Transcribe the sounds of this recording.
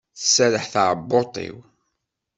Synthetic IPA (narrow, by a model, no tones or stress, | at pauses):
θə̥sːæɾəħθaʕəbːot̪ˤḭw